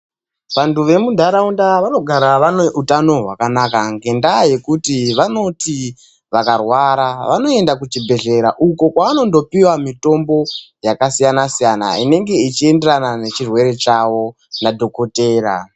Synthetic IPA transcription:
ʋantʰuʋe̞mudʱaɾaundaʋano̞ɡʱaɾaʋaneutano̞ɦwakanakaŋɡe̞ndaje̞kutiʋano̞ti | ʋakarwaɾaʋano̞e̞ndakut͡ʃibʱe̞ɮe̞ɾaʔuko̞kwaːno̞ndo̞piwamito̞mbo̞jakasijanasijana̰ine̞ŋɡe̞it͡ʃie̞nde̞ranane̞t͡ʃirwe̞ɾe̞t͡ʃawo̞ | nadʱo̞ko̞te̞ːɾa̰

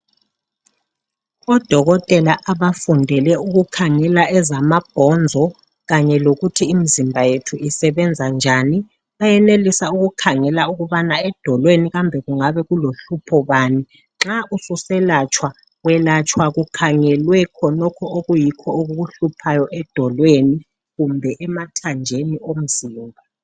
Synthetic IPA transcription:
ɔd̥ʱɔɣɔtʼɛlaʔaβafundʱɛlɛuɣukʰaŋɛlaɛzamab̥ʱɔnd͡zʱɔ | ɣaɲɛloɣutʰiːmizimbʱajetʰuisɛβɛnd͡zʱand͡ʒʱaːni | βajɛnelisauɣukʰaŋɛlauɣuβanaɛd̥ʱɔlweniɣambʱɛɣuŋaβɛɣuloɬupʰɔβaːni | ǁaʔususɛlat͡ʃʰʼwa | wɛlat͡ʃʼʰwaɣukʰaŋɛlwɛkʰɔnɔkʰɔoɣujikʰɔoɣuɣuɬupʰajɔʔɛd̥ʱɔlweni | ɣumbʱɛʔɛmatʰand͡ʒʱeniom̩ziːmbʱa

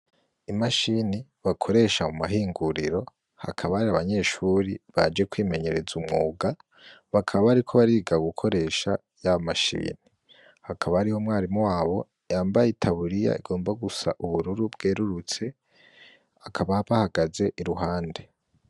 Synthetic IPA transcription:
imaʃiniβakʰo̞ɾe̞ʃaumaɦiːŋɡuɾiɾo̞ | ha̰kʰaβaːɾiaβaɲe̞ːʃuːɾiβa̰d͡ʒe̞kwiːme̞ɲe̞ɾe̞zumŋuːɡa | βakʰaβaβaːɾikʰo̞βaɾiːɡaɡukʰo̞ɾe̞ːʃa | jaβamaʃḭːni | hakʰaβaːɾihomŋaːɾimwaːβo̞ | jaːmbajetʰaβuɾija̰ḭɡo̞ːmbaɡusa̰ʔuβuɾuɾubɡeːɾuɾut͡se̞ | akʰaβaβahaɡaze̞ʔiɾuɦaːnde̞

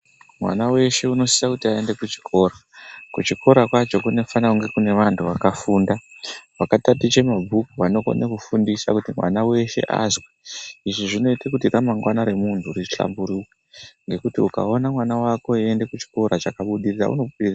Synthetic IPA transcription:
mwa̰nawe̞ʃe̞uno̞sisakutiae̞nde̞kut͡ʃi̥kʰo̞rakut͡ʃiko̞ɾakwat͡ʃo̞kune̞fanauŋɡe̞kune̞ʋantʰuʋakafuːndaʋakatatit͡ʃe̞mabʱukuʋano̞ko̰nekufundisakutimwa̰nawe̞ʃe̞̰ʔa̰zweiʐiʐino̞itakutiramaŋɡwanaɾe̞muntʰuriɬa̰mbuɾukweŋɡe̞kutiuka̰o̞namwanawako̞ie̞nde̞kut͡ʃi̥ko̞ɾat͡ʃakaɓuɗirira̰ṵno̞ɓuɗiria

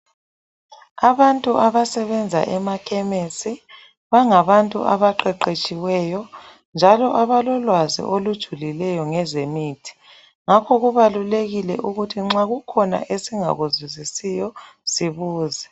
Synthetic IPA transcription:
aβantʼuʔaβasɛβɛnd͡zʱa̰ʔɛmakʰɛmesi | βaŋaβantʼṵʔaβaǃɛǃet͡ʃʼiwɛjɔ | nd͡ʒʱalɔʔaβalɔlwazḭʔolud̥ʒ̥ʱulilɛjɔŋɛzemiːtʰi̥ | ŋakʰɔɣuβaluleɣilɛʔuɣutʰiŋ͡ǁaɣukʰɔna̰ʔesiŋa̰ɣuzizisijɔsiβuːzɛ

